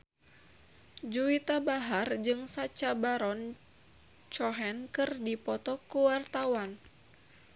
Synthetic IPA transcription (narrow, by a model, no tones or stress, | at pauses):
d͡ʒuit̪abaɦard͡ʒɨŋsat͡ʃabaɾɔn | t͡ʃɔɦɛnkɨrdipɔt̪ɔkuwart̪awan